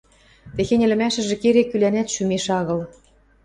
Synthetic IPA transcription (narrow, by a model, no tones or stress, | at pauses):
t̪exenʲɘ̆lɘ̆mæʃɘ̆ʒĕkeɾekylænæt̪ʃymeʃɑɣɤ̆l